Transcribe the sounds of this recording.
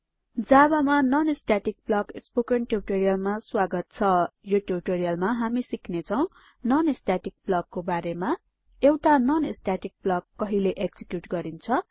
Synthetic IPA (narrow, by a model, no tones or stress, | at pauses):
d͡zabamanʌnesʈaʈik̚blʌkespokenʈeriʈoɾijʌlmaswaɡʌt̪̚t͡sʰʌjoʈeriʈoɾijʌlmaɦamisikʰnet͡sʰʌw̃ | nʌnesʈaʈik̚blʌɡːobaɾema | ewʈanʌnesʈaʈik̚blʌɡ̚ːʌɦileʔeɡd͡zikjuʈɡʌɾint͡sʰʌ